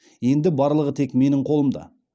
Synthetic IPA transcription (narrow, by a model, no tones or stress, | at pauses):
je̞nd̪ɪbɑɾlˠəʁət̪ʰe̞kme̞nɪɴqʰolˠəmd̪ɑ̰